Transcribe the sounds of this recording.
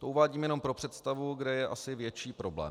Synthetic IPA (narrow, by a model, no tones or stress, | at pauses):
t̪o̞uvaːɟiːmjɛno̞mpɾo̞pr̝̥ɛt̪st̪avuɡdɛjɛʔasɪvjɛt͡ʃiːpɾo̞blɛ̰ːm